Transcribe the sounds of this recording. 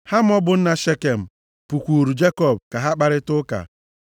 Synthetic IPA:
ha˦m̩˦ɔ˦bʊ˨n̩˦na˨ʃe˦ke˨m̩˨ | pu˨kʷu˨ɾu˨d͡ʒe˦kɔ˦˨b̚ka˨ɦa˦k͡pa˨ɾɪ˦tʊ˦ka̰˨

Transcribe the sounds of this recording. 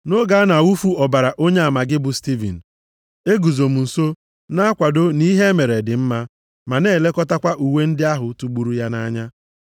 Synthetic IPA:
no˦ɡa˨˦a˦na˨u˦fu˦ɔ˨ba˨ɾa˨ʔo˦ɲe˦a˨ma˨ɡɪ˦bʊ˨sti˦vḭ˨n̩˨ | e˦ɡu˨zo˨m̩˨n̩˨so˦ | na˦a˦kʷa˨do˦ni˦ɦe˦me˨ɾe˨dɪ˨m̩˦ma˦ | ma˨ne˦˨le˦kɔ˦ta˦kʷa˦ʔu˨we˦n̩˦dɪ˦a˦ɦʊ˨tu˨ɡ͡bu˨ɾu˦ja˦na˦ɲa˦

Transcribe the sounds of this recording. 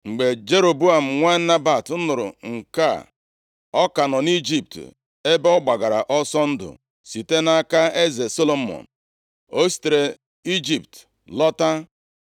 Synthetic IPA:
ŋ͡m̩˨ɡ͡be˨d͡ʒe˦ɾo˨bu˦a˨m̩˨ŋʷa˦na˦ba˨tʊ˦nʊ˨ɾʊ̰˨ŋ̩˨ka̰˦˨ | ɔ˦ka˨nɔ˨ni˦d͡ʒi˦p̚t | e˦bɔ˦ɡ͡ba˨ɡa˨ɾa̰˨ʔɔ˦sɔ˦n̩˦dʊ̰˨ | si˨te˦na˦ka˦e˦ze˨so˦lo˨mɔ̰˨n̩˨ | o˦si̥˨te˨ɾe˨ | i˦d͡ʒi˨pt | lɔ˦ta˦

